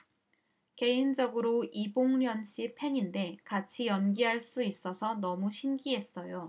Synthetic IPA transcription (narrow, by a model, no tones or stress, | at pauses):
ke̞ind͡ʑʌɡɯɾoiboŋɲjʌnɕ͈ʰipʰe̞ɲinde̞kat͡ɕʰijʌnɡiɦaɭs͈uis͈ʌsʰʌnʌmuɕʰinɡiɦe̞s͈ʌjo